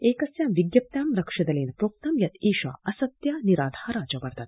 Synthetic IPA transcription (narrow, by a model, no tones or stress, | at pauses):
eːkɐsjaːmʋiɡjɐp̚t̪jaːmɾɐkʂɐd̪ɐleːnpɾoːk̚t̪ɐmjɐt̪iːʃa̰ːɐsɐt̪jaːniɾaːd̪ʱaːɾaːd͡ʒɐʋɐɾt̪ɐt̪